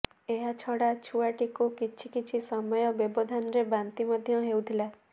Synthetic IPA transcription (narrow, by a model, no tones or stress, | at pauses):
eɦat͡ʃʰɔɽat͡ʃʰuaʈikukit͡ʃʰikit͡ʃʰisɔmɔjɔbjɔbɔd̪ʱanɔɾebant̪imɔd̪ʱjɔɦewt̪ʰilae